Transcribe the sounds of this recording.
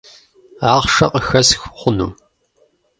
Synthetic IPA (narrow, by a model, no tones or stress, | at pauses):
aːʁʃɐqʼəxɐsxχʷʊnṵː